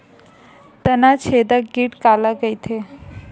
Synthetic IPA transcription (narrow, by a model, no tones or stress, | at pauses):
t̪ənat͡ɕʰed̪aɡiʈkalaɡəjt̪ʰe